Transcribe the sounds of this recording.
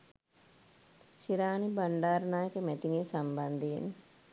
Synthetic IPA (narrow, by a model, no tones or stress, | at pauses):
ʃiɾaːnibaɳɖaːɾənaːjəkəmɛt̪iŋeːsamband̪eḛn